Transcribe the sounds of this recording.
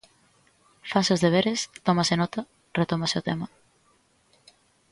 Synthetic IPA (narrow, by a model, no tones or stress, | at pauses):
fasozðeβ̞eɾɪst̪omɐsɪnɔt̪ɐ | ret̪omasɪot̪emɐ